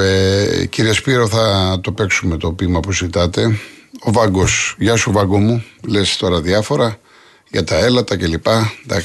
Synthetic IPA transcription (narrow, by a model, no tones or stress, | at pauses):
eciɾiespiɾo̞θɐt̪ope̞ksumet̪o̞pimɐpuzit̪ɐt̪e̞o̞vɐɡo̞sʝɐsuvɐɡomule̞st̪o̞ɾɐðiɐfo̞ɾɐ | ʝɐt̪ɐe̞lɐt̪ɐce̞lipɐd̪ɐk